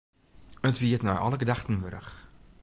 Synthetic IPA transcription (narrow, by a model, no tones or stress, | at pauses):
ətʋiətnaʔɑ̰ləɡədaχtənʋɵɾə̰x